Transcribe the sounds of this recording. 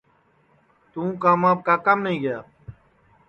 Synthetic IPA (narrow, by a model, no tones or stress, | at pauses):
t̪ũːkaːmaːp̚kaːkəmnəɦĩːɡəja̰ː